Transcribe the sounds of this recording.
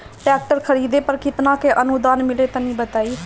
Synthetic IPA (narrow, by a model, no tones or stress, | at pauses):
ʈɛːk̚ʈəɾkʰəɾiːd̪eːpəɾkɪt̪nãːkeʔənud̪aːnmɪleːt̪ãːnĩːbət̪aːiː